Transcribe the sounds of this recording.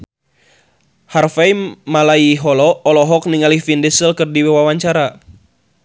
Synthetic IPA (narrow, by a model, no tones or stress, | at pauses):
harfajmalaiɦɔlɔɔlɔɦɔk̚niŋalifindɛsəlkɨrdiwawawaɲt͡ʃaɾa